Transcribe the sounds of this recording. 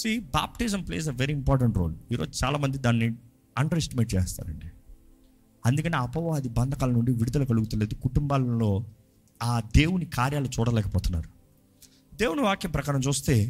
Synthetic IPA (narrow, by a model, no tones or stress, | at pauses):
siːba̰ːp̚ʈiːsɐmpleːseʋeɾiːimpaːɾʈ̬ɐɳʈɾo̞ːliːɾo̞ːd͡ʒut͡ʃaːlaːmɐnd̪id̪aːnːi | ɐɳɖɐɾesʈimeːʈ̚t͡ʃeːst̪a̰ːɾɐ̰ɳɖi | ɐnd̪ukɐniːɐpɐʋaːɐd̪ibɐnd̪ʱɐkalɐnuɳɖiʋiɽud̪ɐlɐkɐluɡut̪uleːd̪ukuʈumbaːllo̞ː | aːd̪e̞ːwunikaːɾjaːlut͡ʃuːɽɐlɛːkɐpɔːt̪unːa̰ːɾu | d̪e̞ːwuniʋaːkjɐmpɾɐkaːɾɐmt͡ʃuːst̪e̞ː